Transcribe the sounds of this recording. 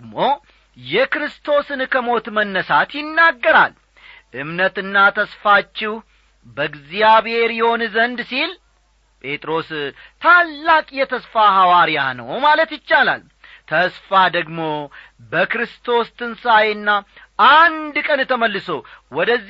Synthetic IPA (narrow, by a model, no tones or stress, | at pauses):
mo | jɛkɾɨst̪ʰo̞sɨnkʰəmo̞t̪mənːəsat̪jɪnːaɡːəɾa̰l | ʔɨmnət̪ɨnːat̪ʰəsfat͡ʃːɪw | bəɡzijaβhe̞ɾjɛho̞nzənd̪sil | pʼe̞t̪ʼɾo̞st̪ʰalːakʼjɛt̪ʰəsfaɦawaɾija̰nə̰wmalət̪jɪt͡ʃːala̰l | t̪ʰəsfad̪əɡmo̞ | bəkɾɨst̪ʰo̞st̪ʰɨnsajɨnːaʔand̪kʼənt̪ʰəməlːɨsowɔd̪əzː